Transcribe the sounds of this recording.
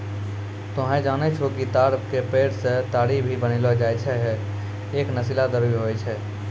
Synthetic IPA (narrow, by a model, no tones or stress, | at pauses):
t̪oɦɛ̃d͡ʒaːnɛt͡ʃʰokit̪aːɾbkepeːɽset̪aːɽibʱibənilɔd͡ʒaːɛt͡ʃʰɛɦ | eːknəsilad̪əbibɦoɛt͡ʃʰɛ